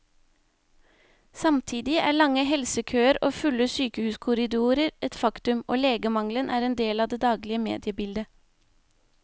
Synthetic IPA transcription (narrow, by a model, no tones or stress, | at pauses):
sɑmt̪ʰiːd̪ɪʔæ̰ːɭɑŋəhɛlsəkʰøːəɾʔo̰ːfʉləsyːkəhʉːskʰʊɾɪd̪uːɾəɾʔɛt̪fɑkt̪ʉmʔo̰ːleːɡəmɑŋlənʔæːɾɛːnd̪eːlɑːd̪eːd̪ɑːɡlɪəmḛːd̪ɪəbɪld̪ə